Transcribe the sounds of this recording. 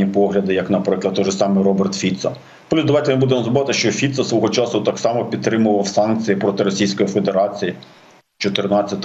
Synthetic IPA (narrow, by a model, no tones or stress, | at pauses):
ipɔɦlʲɐd̪ɪjɐknɐpɾɪklˠɐd̪t̪ːɔʒɪsɑmɪɾɔbert̪fʲit̪sɐ̰ | plʲusd̪ɐʋɑjt̪emɪbud̪emɔzbʋɑt̪ɪʃt͡ʃɔfʲit̪sɐsʋɔɦɔt͡ʃɑsʊt̪ɑksɑmɔpʲid̪̚t̪ːɾɪmʊʋɐwsɑnk̚t͡sʲijipɾɔt̪ɪɾɔsʲijsʲkɔjife̞d̪e̞ɾɑt͡sʲiji | t͡ʃɔt̪ɪrnɑt͡sʲːɐt̪